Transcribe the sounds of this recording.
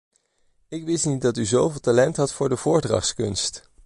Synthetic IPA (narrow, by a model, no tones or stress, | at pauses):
ɪkʋɪstnit̚dɑtyzowvɪlˠtalɛntɦɑtfʊːɹdəv̥ʊːɹdrɑ̰χskɵnst